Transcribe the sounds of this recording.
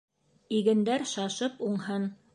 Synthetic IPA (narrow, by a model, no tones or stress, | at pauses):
iɡɘ̆nd̪æɾʃɑʃɤpuɴhɤn